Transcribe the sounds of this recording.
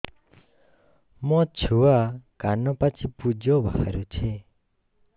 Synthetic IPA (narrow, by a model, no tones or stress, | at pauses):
mɔt͡ʃʰuwakanɔpat͡ʃʰipud͡ʒɔbʱa̰ha̰ɾut͡ʃʰe